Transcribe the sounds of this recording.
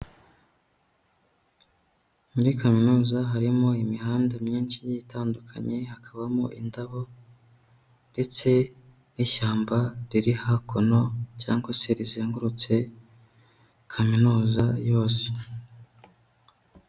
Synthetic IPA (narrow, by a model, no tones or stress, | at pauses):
muɾikʰaminuːzaɦaɾimoimiɦaːndamɲiːnt͡ʃijitaːndukʰa̰ɲe̞hakʰaβamo̰ʔḭndaβo̞ | nde̞t͡se̞ | niʃaːmbaɾiɾihakʰo̞no̞caːŋɡase̞ɾiziːŋɡuɾut͡se̞ | kʰaminuːzajo̞ːse̥